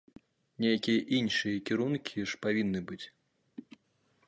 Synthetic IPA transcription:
nʲɛjakʲijɐʔinʂɨjɐkʲiɾunkʲʰiʂpavʲinːɨbɨt͡sʲ

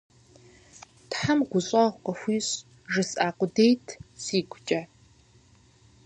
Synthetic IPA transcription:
tħamɡʷʊɕʼɐʁʷqɐxʷiːɕʼ | ʐɨsaːqʷʊdejtʰsiːɡʷt͡ʃʼɐ

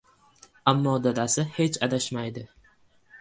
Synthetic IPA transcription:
amːɒd̪ad̪asɪhe̞t͡ʃʰad̪aʃmajd̪ɪ

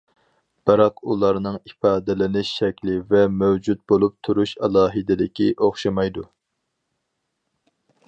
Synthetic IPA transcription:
b̥ɨɾɑqulˠɑɾnɨŋifɑːd̪ɪlɪnɪʃʃɛkʲlɪvɛmøwd͡ʒut̪̚bolˠup̚t̪ʰuɾuʃɛlˠɑːɦɨd̪ɪlɪkʲʰiʔoχʃɑmɑjd̪u

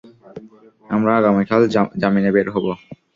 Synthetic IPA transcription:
amɾaaɡamekʰald͡ʑaminebeɾɦɔbo

